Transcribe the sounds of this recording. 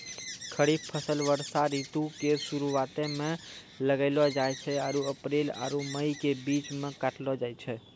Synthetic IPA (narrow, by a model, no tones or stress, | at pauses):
kʰəɽipʰəsəlʋəɾsaɾit̪ukesuɾuwat̪emẽ | ləɡəɪlɔd͡ʒajt͡ʃʰɛaɾuəpɾela̰ɾuməjkebit͡ʃmekaʈlɔd͡ʒajt͡ʃʰɛ